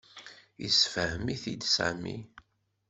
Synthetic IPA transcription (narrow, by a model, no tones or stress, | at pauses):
ḭsfəhəmiθid̪sæ̰mḭ